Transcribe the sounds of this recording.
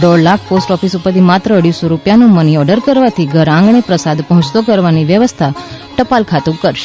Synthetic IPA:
ɖɔɽlak̚ʰposʈɔfisupəɾd̪iːmat̪ɾəːɽisoɾupjanũməniɔɖəɾkəɾʋat̪ʰiːɡʱəɾãŋɡɳ̃epɾəsad̪pəɦũt͡ʃt̪okəɾʋaniʋjəʋəst̪ʰa | ʈəpalkʰat̪ũkːəɾʃe̥

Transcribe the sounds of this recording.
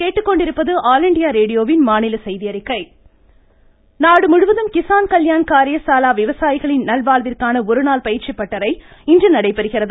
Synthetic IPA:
keːʈːɯkːɔɳɖɪɾɯpːɐðɯʔaːlɪɳɖɪjaːɾeːɽɪjoːʋɪnmaːnɪlɐsɛjðɪjɐɾɪkːɐɪ | naːɽɯmʊɻʊʋɐðɯmkɪsaːnkɐljaːnkaːɾɪjɐsaːlaːʋɪʋɐsaːjɪɣɐɭɪnnɐlbaːɭʋɪrkaːnɐɔɾɯnaːlpɐjɪrt͡ʃɪpːɐʈːɐɾɐɪɪndrɐnɐɽɐɪpːɐɾɯɣɪrɐðɯ

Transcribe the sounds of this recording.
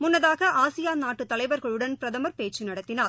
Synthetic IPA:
mʊnːɐðaːɣɐʔaːsɪjaːnaːʈːɯt̪ːɐlɐɪʋɐɾɣɐɭɯɽɐnpɪɾɐðɐmɐɾpeːt͡ʃːɯnɐɽɐt̪ːɪnaːl

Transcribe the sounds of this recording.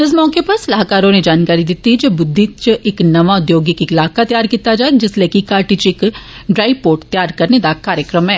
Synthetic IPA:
ɪs̬mɔːkepɐɾsɐlaːɦkaːɾõned͡ʒaːnkaːɾid̪ɪt̪ːid͡ʒebʊd̪ʱːit͡ʃʔɪknɐʋaʊd̪joːɡikilaːkat̪jaːɾkiːt̪ad͡ʒaːed͡ʒɪsleːkikaːɾʈit͡ʃɪkɖɾaːɪpoːʈt̪jaːɾkɐɾned̪akaːɾjəkɾəmɦɛː

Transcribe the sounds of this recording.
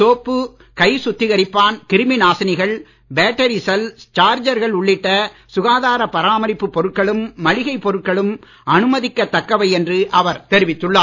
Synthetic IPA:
soːpːɯ | kɐɪsʊt̪ːɪɣɐɾɪpːaːnkɪɾɯmɪnaːsɐnɪɣɐɭ | beːʈːɐɾisɛlt͡ʃaːɾd͡ʒɐɾɣɐɭʊɭːɪʈːɐ | sʊɣaːðaːɾɐpːɐɾaːmɐɾɪpːɯpːɔɾɯʈ̚kɐɭɯmːɐɭɪɣɐɪpːɔɾɯʈ̚kɐɭɯm | ʔɐnɯmɐðɪkːɐt̪ːɐkːɐʋɐɪɛndrɯʔɐʋɐɾt̪ɛɾɪʋɪt̪ːɯɭːaː

